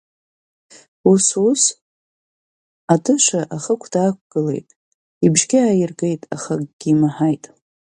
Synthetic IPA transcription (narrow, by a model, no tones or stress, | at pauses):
usus | atʰɨʂʷaʔaχəkʷʰdaːkʷɡ̥ɨle̞̰jtʼ | ibʒɡʲɪajɪrɡe̞jtʼa̰χakʼɡ̥ʲimaħajtʼ